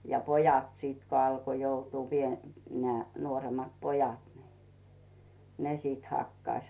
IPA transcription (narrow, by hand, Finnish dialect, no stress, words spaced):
jɑ pojɑt siˑt ko ɑlko joutuː pie neæˑ nuoremˑɑt pojɑt ni̥ ne sit hɑkːɑĭs